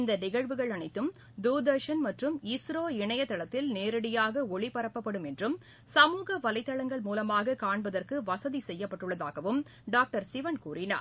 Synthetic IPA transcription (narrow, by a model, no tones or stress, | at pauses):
ɪnd̪ɐnɪɣɐɻʋɯɣɐɭɐɳɐɪt̪ːɯm | d̪uːd̪ɐʂɐnmɐʈrɯmɪsɾoːɪɳɐjɐt̪ːɐɭɐt̪ːɪlneːɾɐɽɪjaːɣɐɔɭɪpɐɾɐpːɐpːɐɽɯmɛndrɯm | sɐmuːɣɐʋɐlɐɪt̪ːɐɭɐŋɡɐɭmuːlɐmaːɣɐkaːɳbɐðɐrkɯʋɐsɐðisɛjːɐpːɐʈːɯɭːɐða̰ːɣɐʋɯm | ɖaːk̚ʈɐɾsɪʋɐnkuːrɪna̰ːɾ